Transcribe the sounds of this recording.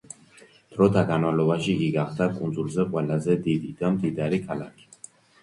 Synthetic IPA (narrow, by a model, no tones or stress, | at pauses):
d̪̥ɾɔt̪ʰaɡanmavlɔbaʃiːɡiɡaχd̪akʼund̪zulzɛqʼwɛlazɛd̪id̪id̪amd̪id̪aɾikʰalakʰi̥